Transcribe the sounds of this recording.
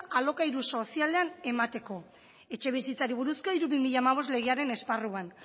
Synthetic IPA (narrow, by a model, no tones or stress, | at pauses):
alo̞kaiɾuso̞siale̞ane̞mat̪e̞ko̞ | e̞t͡ʃe̞β̞isit͡saɾiβ̞uɾuskoiɾuβimiʎaːmaβ̞o̞zle̞ɣ̞eaɾe̞ne̞sparuan